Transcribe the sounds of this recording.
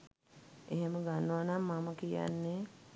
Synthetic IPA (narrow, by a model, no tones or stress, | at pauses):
eɦeməɡanːəʋanamːaməkija̰nːe